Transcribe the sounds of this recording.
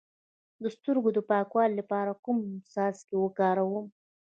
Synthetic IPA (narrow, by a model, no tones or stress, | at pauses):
d̪əst̪əɾɡod̪əpɑkwɑllapɑɾakʊmsɑskewəkɑɾawəm